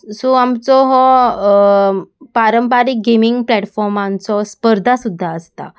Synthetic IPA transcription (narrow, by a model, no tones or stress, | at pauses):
suamt͡sɔɦɔ | paɾəmpaɾik̚ɡemiŋɡplɛʈfɔɾmant͡sɔspəɾd̪ʱasud̪ʱːaəst̪a̰